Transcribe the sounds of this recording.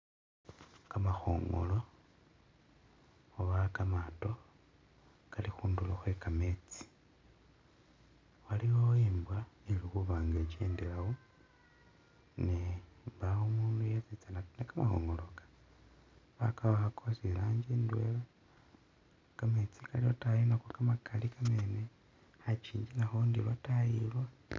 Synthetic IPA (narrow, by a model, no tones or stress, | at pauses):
kamaxo̰ːŋɡo̰lo̞ | oβakamato̞ | kalixuːnduloxwe̞kame̞t͡si̥ | waliwoeːmbwanilixuβaːŋɡet͡ʃeːndelawo | nembawomuːndujet͡sit͡sananekamaxo̰ŋɡolokḁ | βakaβaxakʰosilaːɲd͡ʒindwḛla | kame̞t͡sikaliotajinakokamakʰalikamene | hat͡ʃiːɲd͡ʒinaxondiβatajilwa